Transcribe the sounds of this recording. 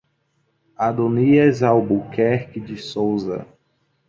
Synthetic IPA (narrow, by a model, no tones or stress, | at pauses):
ad̪oniɐzawbukɛɾkɪd͡ʒɪsowzɐ̰